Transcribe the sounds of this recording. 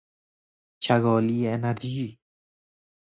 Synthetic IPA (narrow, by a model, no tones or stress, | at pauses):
t͡ʃaɣɔlienad̪i